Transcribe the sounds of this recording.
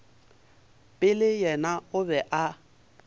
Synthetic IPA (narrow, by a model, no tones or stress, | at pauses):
pʼɪlɪjɛnaʊbɛʔa